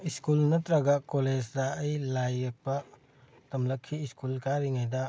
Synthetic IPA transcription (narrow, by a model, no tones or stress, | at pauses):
iskulnɐtɾɐɡɐkoled͡ʒdɐːjlajek̚pɐ | tɐmlɐkʰːiːskulkaɾiŋajdɐ